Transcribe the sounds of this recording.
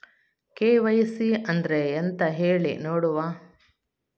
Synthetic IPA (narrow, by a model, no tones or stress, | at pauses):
keːʋɐjsiɐnd̪ɐɾeent̪ɐɦeːɭḭnoːɽuʋaː